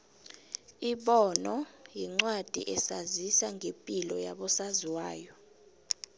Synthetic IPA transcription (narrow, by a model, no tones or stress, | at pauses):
iɓɔnɔjiŋ͡ǀwad̥ʱḭʔɛsazisaŋʱepʼilɔja̰ɓɔsaziwaːjɔ